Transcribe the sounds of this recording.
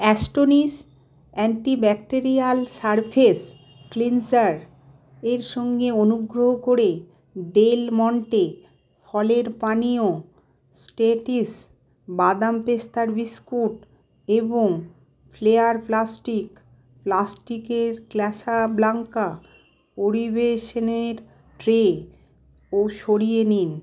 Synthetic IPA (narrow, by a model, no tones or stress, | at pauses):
ɛsʈonis | ɛɳʈibɛk̚ʈeɾialsaɾpʰes | klinsaɾ | eɾʃɔŋɡeonuɡɾoɦokoɾe | ɖelmɔɳʈe | fʰɔleɾpanio | sʈeʈis | bad̪ampest̪ʰaɾbiskuʈ | eboŋ | fleaɾplasʈik | plasʈikeɾklɛʃablaŋka | oɾibeʃoneɾ | ʈɾe | oʃoɽijenin